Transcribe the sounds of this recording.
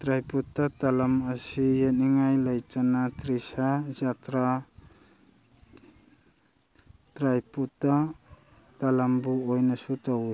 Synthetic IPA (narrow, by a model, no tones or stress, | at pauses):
tɾajputːatalɐmɐsijeniŋajlajt͡ʃanatɾisazatɾa | tɾajputa | talambuojnɐsutaw